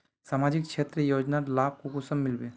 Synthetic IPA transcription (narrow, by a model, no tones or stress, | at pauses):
saːmad͡ʒik̚t͡ʃʰet̪ɾəjoːd͡ʒnalaːb̚kokusəmːɪlbe